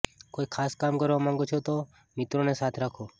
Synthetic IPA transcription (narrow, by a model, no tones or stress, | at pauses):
koikʰaskamkəɾʋamãŋɡot͡ʃʰot̪o | mit̪ɾonesat̪ʰɾakʰo